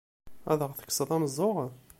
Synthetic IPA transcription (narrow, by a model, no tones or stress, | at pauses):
æ̰ðəʁθə̥kːsˤəðˤæməzˤːoʁ